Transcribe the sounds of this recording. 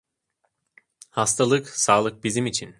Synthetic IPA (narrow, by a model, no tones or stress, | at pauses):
hast̪ʰalˠɯksaːlˠɯk̚bizimit͡ʃʰin